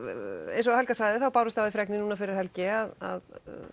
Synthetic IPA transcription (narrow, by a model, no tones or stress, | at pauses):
ḛjnsɔhɛlkasvaːjðɪθawpaːwɾɪst̪aðɪfɾɛknɪnuːnafɪɾɪɾ̥hɛlcɪaða̰ð